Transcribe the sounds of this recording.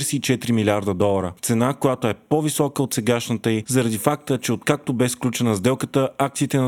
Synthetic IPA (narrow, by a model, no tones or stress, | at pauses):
ɾsiːt͡ʃɛt̪ɾimilʲaɾd̪əd̪ɔlˠɐɾət̪sɛnakojat̪oɛpovisɔkəot̪sɛɡaʃnət̪əizɐɾɐd̪ifak̚t̪ət͡ʃɛot̪̚kak̚t̪obɛsklʲut͡ʃɛnəzd̪ɛlˠkət̪əak̚t̪sit̪ɛnɐ